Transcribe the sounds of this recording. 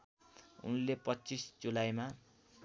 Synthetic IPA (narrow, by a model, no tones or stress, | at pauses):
ṵnlepʌt͡sisd͡zulajma